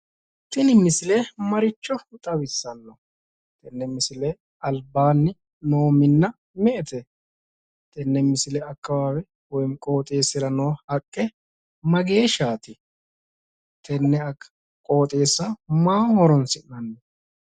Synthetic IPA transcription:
t̪ːɪnɪmːɪsɪlemɐɾɪt͡ʃːɔʊt̪ʼɐwɪsːɐnːɔ | t̪ɛnːɛmɪsɪlɛ | ɐlbaːnːɪ | noːmɪnːɐ | mɛʔɛt̪ʰɛ | t̪ɛnːɛmɪsɪlɛɐkːɐwaːwɛ | wɔjnkʼo̞ːt̪ʼe̞ːsːɪɾɐnoːhɐkʼːɛ | mɐɡe̞ːʃaːt̪ɪ | t̪ʰɛnːɛɐ | kʼo̞ːt̪ʼe̞ːsːɐmaːhɔɾɔnsɪnːɐnːɔ

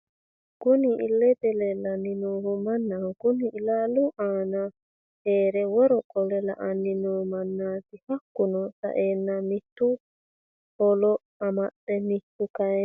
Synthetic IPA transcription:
ɡ̥ʊnḭːlːɛt̪ɛlɛlɐnːɪnuːhumɐnːaɡ̥ʊniɪlaːluʔaːna | heːɾɛwɔɾɔkʼɔlɛla̰ʔɐnːɪnɔmɐnːaːt̪ɪhɐkːʊnɔsɐ̰ʔeːnːamɪt̪ːu | hɔlɔ | ɐmɐɗɛmɪt̪ːukɐɛ

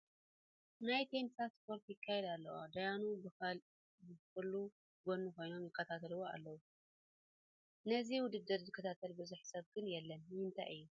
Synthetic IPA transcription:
najt̪ʰensaspo̞ɾk̪jɪkʰːajɛd̪alːɐwa̰d̪ajanubɨxal | bɨkɨlːu | ɡo̞nːuko̞jno̞mjɪkːɐt̪ʰat̪ʰɐlɨwoa̰lːɐwu | nɐziwʊd̪ɨd̪ːɨɾzɨkʰːɐt̪ʰat̪ʰɐlbɨzuħsɐβɡɨnjɛlːɐnjɨnt̪ʰa̰jʔɨjːu

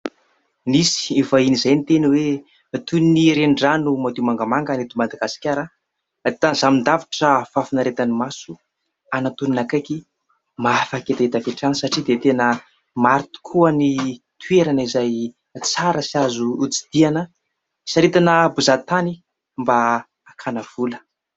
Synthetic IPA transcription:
nisi̥evainizajnit̪eniwe | t̪uniniɾeɳɖ͡ʐanumad̪imaŋɡamaŋɡanit̪iumad̪aɡasi̥kʲaɾə | t̪anzamind̪avi̥ʈ͡ʂəfafinaɾet̪animasu | anat̪uninakaki | mafaket̪aet̪afeʈ͡ʂansaʈ͡ʂid̪et̪enə | maɾt̪u̥kʰuəni | t̪ʰueɾanəizaj | t͡saɾəsiazuːt͡si̥d̪̥ianə | saɾet̪anəbuzat̪ani | mbaː | kʰanav̥ulə

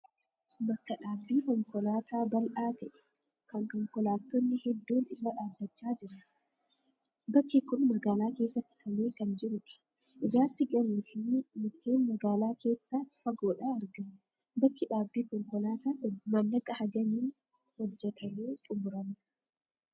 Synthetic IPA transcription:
bɐkːɐᶑaːbːiːkɔŋkɔlaːt̪ʰaːbɐlʔaːt̪ɛʔɛ̥ | kɐŋkɔŋkɔlaːt̪ːɔnːɪhɛd̪ːuːnɪlːɐᶑaːd̪ːɐt͡ʃːaːd͡ʒɪɾɐ | bɐkːɪkʊnmɐɡaːlaːke̞ːsːɐt̪ːɪ̥t̪ʰɐmeːkɐnd͡ʒɪɾʊᶑɐ̥ | ʔɪd͡ʒaːsɪɡɐnːʊfɪnmʊt̪ːeːnmɐɡaːlaːke̞ːsːaːsfɐɡoːᶑaːɾɡɐmʊ | bɐkːɪᶑaːbːiːkɔŋkɔlaːt̪aːmɐnːɐkʼːɐhɐɡɐmiːn | hɔd͡ʒːɛt̪ʰɐmeːt̪ʼʊmʊɾɐnʊ

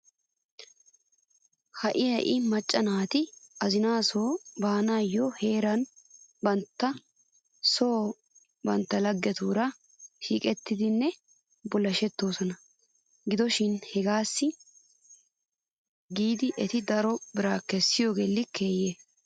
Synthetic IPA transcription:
hɐʔɪjɐʔɪmɐt͡ʃʼːɐnaːt̪ɪɐzɪnaːsoːbaːnaːjːɔhe̞ːɾɐnbɐnt̪ːɐ | so̞ː | bɐnt̪ːɐlɐɡːɛt̪uːɾɐ | ʃḭːkʼɛt̪ːɪd̪ɪnːɛ | bɔlːɐʃɛt̪ːo̞ːsɔnɐ | ɡɪd̪ɔʃɪnhɛɡaːsːɪ | ɡiːd̪ɪʔɛt̪ɪd̪ɐɾɔbɪɾaːkɛsːɪjoːɡelːɪkeːjeː

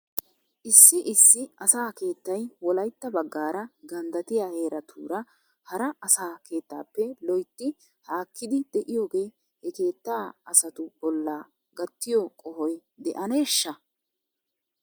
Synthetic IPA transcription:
ʔɪsːɪʔɪsːɪɐsaːke̞ːt̪ːɐjwɔlɐjt̪ːɐbɐɡːaːɾɐɡɐnd̪ɐt̪ɪjaːhe̞ːɾɐt̪ʰṵːɾɐ | hɐɾɐɐsaːke̞ːt̪ːa̰ːpːɛlɔjt̪ːɪ | haːkːɪd̪ɪd̪̥ɛʔɪjo̞ːɡe̞ː | hɛke̞ːt̪ːaːɐsɐt̪ʊb̥ɔlːaː | ɡɐt̪ːɪjɔkʼɔhɔjd̪ɛ̰ʔɐne̞ːʃːɐ

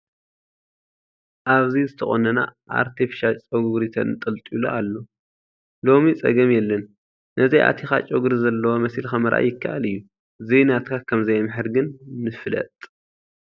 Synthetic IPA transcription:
ʔaβzizɨt̪ʰɐxʼo̰nɐna̰ʔa̰ɾt̪ʰifi̥ʃat͡ʃʼoɡɡɾit̪ʰɐ̰nt̪ʼɐlt̪ʼiloalːo̞ | lo̞mit͡sʼɐ̰ɡɐmjɛlːɐnː | ʔɐzɐjʔa̰t̪ʰixa̰t͡ʃʼoɡuɾizɐlːɐwomɐsilxamɐɾʔa̰jːɪkʰːaʔa̰lɨjːu | zenat̪kʰakʰɐmzɐjmɨħɨɾɡɨnːɨflɐ̰t̪ʼ

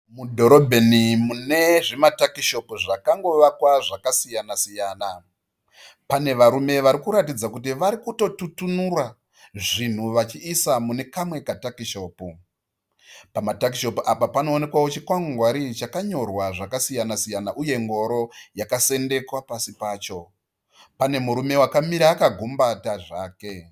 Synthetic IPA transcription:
mudʱo̞ɾo̞bʱenimune̞ʐimatakiʃo̞puʐakaŋɡo̞ʋakwaʐakasijanasijaːna | pane̞ʋaɾume̞ʋaɾikuɾatid͡zakutiʋaɾikuto̞tutunura | ʐin̤uʋat͡ʃiːsamune̞kamwe̞katakiʃo̞ːpu | pamatak̬iʃo̞puʔapapano̞ːne̞kwawo̞t͡ʃikwaŋɡuŋɡwaɾit͡ʃakaɲo̞rwaʐakasijanasijanaʔuje̞ŋɡo̞ɾo̞jakase̞nde̞kwapasipaːt͡ʃo̞ | pane̞muɾume̞wakamiɾaːkaɡʱumbataʐaːke̞

